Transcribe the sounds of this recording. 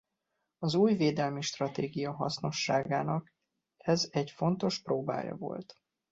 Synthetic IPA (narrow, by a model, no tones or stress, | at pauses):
ɒzuːjveːd̪ɛlmiʃt̪rɒt̪eːɡijɒɦɒ̰sno̞ʃːaːɡaːnɒk | ɛzɛɟfo̞nt̪o̞ʃproːba̰ːjɒ̰vo̞̰lt̪